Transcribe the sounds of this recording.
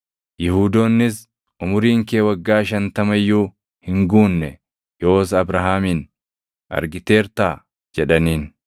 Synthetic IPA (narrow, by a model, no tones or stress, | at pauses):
jɪhuːd̪oːnːɪs | ʔʊmʊɾiːŋkeːwɐɡːaːʃɐnt̪ɐmɐjːuː | hɪŋɡuːnːɛ | jo̞ːs̬ɐbɾɐɦaːmiːn | ʔɐ̰ɾɡɪt̪e̞ːɾt̪aː | d͡ʒɛᶑɐniːn